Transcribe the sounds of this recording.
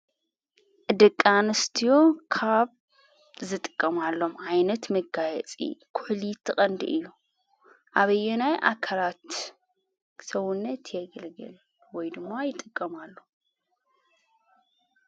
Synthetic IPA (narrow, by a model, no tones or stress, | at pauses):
ʔɨd̪ɐkʼːanɨst̪ʰijo̞kʰaβ | zɨt̪ʼɨ̥kʼːɐmalːo̞mʕajnɐt̪mɐɡajɛ̰t͡sʼḭkʰʊħlit̪ʰɨχʼɐnd̪ḭʔɨjːu | ʔaβɐjːɛnajʔa̰kʰɐlat̪ | sɐwʊnːɐt̪ʰjɛɡɨlɡɨ̰l | wɔjd̪ɨmːajɪt̪ʼɨkʼːɐmalːo